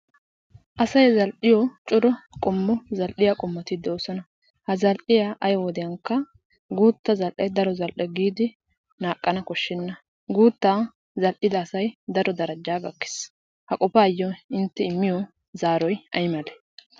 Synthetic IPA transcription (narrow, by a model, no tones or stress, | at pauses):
ʔɐsɐjzɐlʔɪjɔt͡ʃʼʊɾɔkʼɔmːɔzɐlʔɪjakʼɔmːɐt̪ɪd̪oːsɔnɐ | hɐzɐlʔɪjaʔɐjɔwɔd̪ɪjɐŋkːɐ | ɡuːt̪ːɐzɐlʔɛjd̪ɐɾɔzɐlʔɛɡiːd̪ɪ | naːkʼːɐnɐkɔʃːɪnːɐ | ɡuːt̪ːaː | zɐlʔɪd̪ɐːsɐjd̪ɐɾɔd̪ɐɾɐd͡ʒaːɡɐkːɪ̥s | hɐkʼɔpaːjːɔɪnt̪ːɛɪmːɪjɔ | zaːɾɔjʔɐjmɐlɛ̥